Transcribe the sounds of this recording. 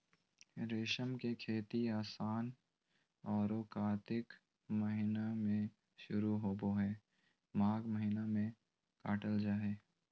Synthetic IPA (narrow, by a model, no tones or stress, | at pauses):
ɾeːʃəmkekʰeːt̪iaːsaːn | ɔːɾoːkaːt̪ɪk | məɦɪnamẽ | ʃʊɾuɦoːboɦɛː | mãːɡməɦɪnamẽ | kaːʈəld͡ʒaːɦeː